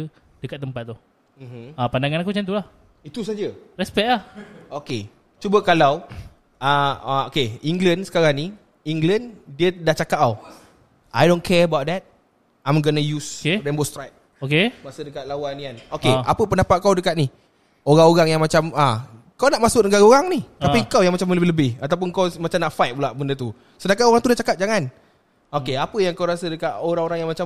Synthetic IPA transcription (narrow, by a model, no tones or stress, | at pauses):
d̥əkat̪̚ːəmpat̪̚ːu | m̩mm̩apandaŋanakut͡ʃant̪ulah | it̪usad͡ʒərɛspɛʔ̚lahoke | t͡ʃubəkalaw | aaokeiŋɡlənsə̥kaɾaŋni | iŋɡləndiədaht͡ʃakaʔaw | ʔajdõnkʰɛɹəbawt̪̚dɛt̪̚ | ãjmɡənəjuskedɛmbost̪ɾajk̚ | okemaʔsədəkat̪̚lawanianokeʔa̰pəpəndapat̪̚kawdəkat̪̚ni | oɾaŋoɾaŋjaŋmat͡ʃama | kawnaʔmasʊk̚nəɡaɾaoɾaŋnit̪apikawjaŋmat͡ʃamləbɪləbɪhat̪awp̬ʊnkawmat͡ʃamnaʔfajt̪̚bulaʔbəndət̪u | sədakanoɾaŋt̪udaht͡ʃakat̪̚d͡ʒaŋan | okeapəjaŋkawɾasədəkat̪oɾaŋoɾaŋjaŋmat͡ʃa